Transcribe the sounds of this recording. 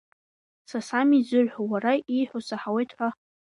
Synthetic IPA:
sasamid͡zɨʕħʷawaraijħʷosaħawejtʰħʷa

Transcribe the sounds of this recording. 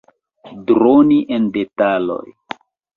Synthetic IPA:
dɾoniʔendetalo̞̰j

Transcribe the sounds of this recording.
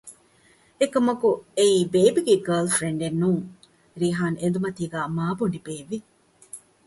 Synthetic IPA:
ekɐmɐkueiːbeːbiɡeɡɐːlfɾeɳɖenːuːŋ | ɾiːɦaːnend̪umɐt̪iːɡæːmaːbuɳɖibeːʋi

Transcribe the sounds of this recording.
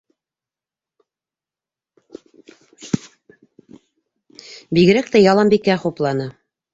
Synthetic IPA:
biɣɘ̆ɾæk̚t̪æjɑlˠɑmbikæχuplˠɑnɤ

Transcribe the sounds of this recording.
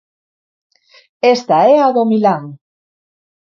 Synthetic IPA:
est̪aɛaðomilaŋ

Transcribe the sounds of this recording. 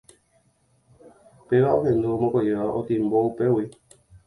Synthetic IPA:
peʋaõɦẽnd̪uomõkeeʋaʔot̪ĩmboupewi

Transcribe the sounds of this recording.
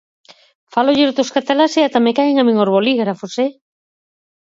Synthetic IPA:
faloʎeɾot̪oskat̪elaseat̪amekaeŋamiŋoɾβoliɣɾafose

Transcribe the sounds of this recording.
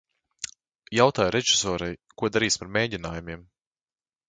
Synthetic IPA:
jawt̪aːjɾɛʒisɔːɾajkuɔd̪aɾiːspaɾmʲeːɟinaːjumʲiɛm

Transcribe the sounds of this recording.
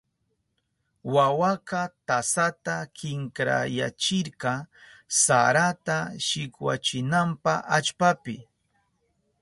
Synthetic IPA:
wawakɑt̪asat̪akɪŋkɾa̰ja̰t͡ʃɪɾkɑsa̰ɾat̪aʃɪkwa̰t͡ʃɪnampaʔat͡ʃpapɪ

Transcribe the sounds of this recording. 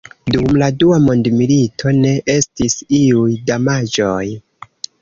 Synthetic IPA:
dumladuamo̞ndmilitʰo̞ne̞ʔe̞stisiujdamad͡ʒo̞j

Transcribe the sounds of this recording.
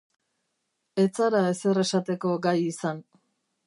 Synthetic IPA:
e̞t͡saɾae̞se̞re̞sat̪e̞ko̞ɡajisan

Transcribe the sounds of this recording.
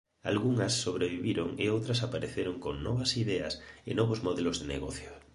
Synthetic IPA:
a̰lɣuŋɐsːoβɾeβiβiɾoŋḛowt̪ɾɐsapaɾeθeɾoŋkoŋnɔβɐsiðɛɐ̰sɪnɔβozmoðelʊzðenḛɣɔθjo

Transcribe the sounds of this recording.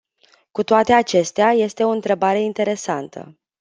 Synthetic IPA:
kut̪oat̪e̞at͡ʃe̞st̪eaje̞st̪e̞o̞ɨnt̪ɾe̞baɾe̞int̪e̞ɾe̞sant̪ʰə̰

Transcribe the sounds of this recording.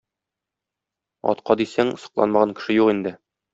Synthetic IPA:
ɒ̰t̪qɑd̪isæŋsɤ̥̆qlˠɑ̰nmɑʁɑŋkɘ̆ʃɘjuqind̪ɘ

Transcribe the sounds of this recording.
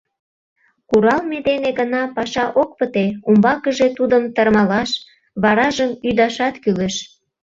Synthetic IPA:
kuɾɑlmed̪eneɡənɑpɑʃɑʔok̚pət̪eumbɑkəʒet̪ud̪əmt̪ərmɑlɑʃ | βɑɾɑʒəmyd̪ɑʃɑt̪kyleʃ

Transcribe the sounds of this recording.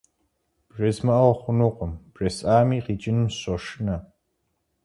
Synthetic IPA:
b̥ʒɐzmɐʔɐwɐχʷʊnuːqʷʼɔmb̥rɐsaːmiːqiːt͡ʃʼɪnɨmɕoʂnɐ

